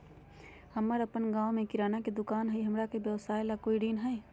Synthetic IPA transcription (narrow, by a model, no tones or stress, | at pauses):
həmːəɾəpənɡãːʋomẽkɪɾaːnaked̪ʊkaːnɦəiɦɐmɾakebjəʋsaːelakoːiɖiːnɦɛː